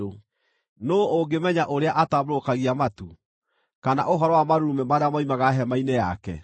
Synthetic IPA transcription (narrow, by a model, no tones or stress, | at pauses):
o | noːoɡemɛɲaʔoɾeaʔatamɾokaɣiamatu | kana̰ʔoɦɔɾɔwamaɾuumɛmaɾeamaimaɣaɦɛmaineja̰kɛ̰